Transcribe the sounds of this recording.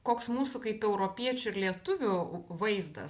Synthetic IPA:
koːksmuːsʊkɐɪpɛʊɾoːpʲiɛt͡ʃʲʊɪɾlʲiɛt̪ʊʋʲʊʋɐɪzd̪ɐ̰

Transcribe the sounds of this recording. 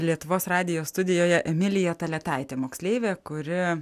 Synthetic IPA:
lʲiɛt̪ʊʋoːsrɑːd̪ʲɪjoːst̪ʊd̪ʲɪjoːjɛʔɛmʲɪlʲɪjɛt̪ɐlʲɛt̪ɑɪt̪ʲeːmoːksʲlʲeːʋʲeːkʊɾʲɪ

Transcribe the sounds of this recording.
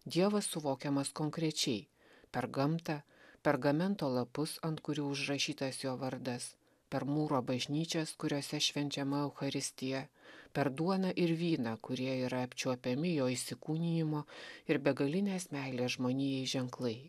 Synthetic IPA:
d̪ʲiɛʋɐsːʊʋoːkʲɛmɐskoːŋkɾʲɛt͡ʃʲɛɪ | pʲɛɾɡɐmt̪ɐpʲɛɾɡɐmʲɛnt̪oːlˠɐpʊsɐnt̪kʊɾʲuːʊʒrɐʃʲiːt̪ɐsjoːʋɐɾd̪ɐs | pʲɛɾmuːɾoːbɐʒʲnʲiːt͡ʃʲɛskʊɾʲoːsʲɛʃʲʋʲɛnʲt͡ʃʲɛmɐɛʊxɐɾʲɪsʲt̪ʲɪjɛpʲɛɾd̪uɔnɐʔɪɾʋʲiːnɑkʊɾʲiɛiːɾɐɐpʲt͡ʃʲuɔpʲɛmʲɪjoːisʲɪkuːnʲɪjɪmoːɪɾbʲɛɡɐlʲɪnʲeːsmʲæˑɪlʲeːsʒmoːnʲiːjɛɪʒʲɛŋklˠɐɪ

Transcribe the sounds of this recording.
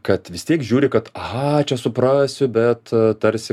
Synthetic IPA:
kɐt̪ʋʲɪst̪ʲiɛkʒʲuːɾʲɪkɐt̪ɐhɐt͡ʃʲɛsʊpɾɑːsʲʊbʲɛt̪t̪ɐɾʲsʲɪ

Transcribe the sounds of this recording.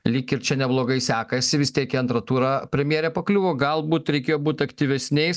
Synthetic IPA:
lʲiːkɪɾt͡ʃʲɛnʲɛblˠoːɡɐɪsʲæːkɐsʲɪʋʲɪst̪ʲiɛkiɐnt̪ɾɐt̪uːɾɐpʲɾʲɛmʲjeːɾʲɛːpɐklʲuːʋoːɡɐlˠbuːt̪ɾʲɛɪkʲeːjoːbuːt̪ʲɐkt̪ʲiʋʲɛsʲnʲɛɪs

